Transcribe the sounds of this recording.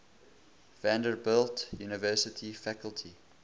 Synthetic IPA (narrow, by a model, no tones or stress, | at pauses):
væ̃ndəɹbɪltjuːnəvɜˑsətʰifækəlˠtʰi